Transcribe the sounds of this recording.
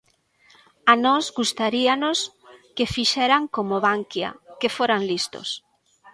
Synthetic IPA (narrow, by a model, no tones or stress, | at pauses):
anɔzɣust̪aɾianos | kefiʃɛɾaŋkomoβaŋkja̰kefoɾaŋlist̪o̰s